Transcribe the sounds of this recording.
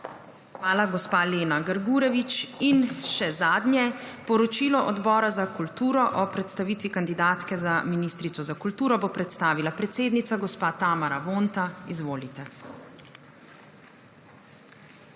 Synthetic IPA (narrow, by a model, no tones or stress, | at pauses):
xʋaːlaɡɔspaːleːnaɡəɾɡuːɾɛʋit͡ʃinʃɛzaːd̪njɛpɔɾɔt͡ʃiːlɔʔɔd̪bɔːɾazakult̪uːɾɔʔɔpɾɛt̪st̪aʋiːt̪ʋikand̪id̪aːt̪kɛzaminiːst̪ɾit̪ɔzakult̪uːɾɔbopɾɛt̪st̪aːʋilapɾɛt̪seːd̪nit̪saɡɔspaːt̪aːmaɾaʋoːnt̪aizʋoːlit̪ɛ